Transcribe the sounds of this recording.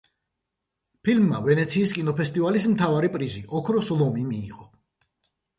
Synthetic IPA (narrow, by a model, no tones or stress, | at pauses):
pʰilmːavɛnɛt̪sʰiːskʼinɔpʰɛst̪ʼivalismt̪ʰavaɾipʼɾiziʔɔkʰɾɔslˠɔmimḭːʁʼɔ